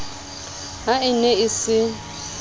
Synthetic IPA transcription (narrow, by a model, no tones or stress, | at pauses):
ɦaɪnɛisɪ